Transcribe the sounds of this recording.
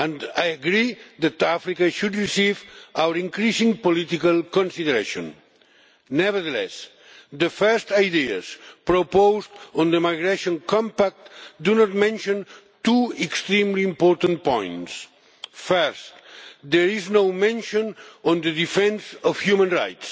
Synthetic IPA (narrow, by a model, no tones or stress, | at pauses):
ə̃nd̪ajəɡɾiðat̪afɾikaʃud̪ɹisivawəɾĩŋkɾisĩŋpolit̪ikalˠkɔ̃nsiðəɾeʃõ̰nː | ɛvəɾðəlɛ̰s | d̪əfɛɹst̪ajd̪ia̰spɾopowzt̪ɔ̃nd̪əmajɣɾeʃõnkɔ̃mpak̚t̪d̪unɔt̪̚mɛ̃nʃõn | t̪uɛkst̪ɾĩmlĩːmpɔɾt̪ãntpɔ̰̃j̃nts | fɛɹst̪d̪ɛɾiznowmɛ̃nʃõnɔ̃nd̪əðifɛ̃nsɔfhjumə̃nɹa̰jt̪s